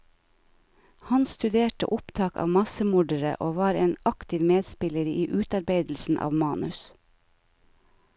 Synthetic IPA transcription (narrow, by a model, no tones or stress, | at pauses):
hɑnst̪ʉd̪eːʈə̰ʔʊpt̪ʰɑːkɑ̰ːʋmɑsəmʊɖəɾə̰ʔoːʋɑːɾeːnɑkt̪ɪʋmeːd̪spɪləɾəiːʔʉːt̪ɑɾbeɪd̪l̩sn̩ʔɑ̰ːʋmɑːnʉs